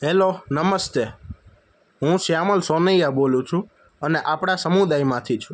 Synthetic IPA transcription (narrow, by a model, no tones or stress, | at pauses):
ɦelonəməst̪e | ɦũsjaməlsonəjaɓolũt͡ʃʰũ | əneʔapɽ̃asəmud̪ajmãt̪ʰit͡ʃʰũ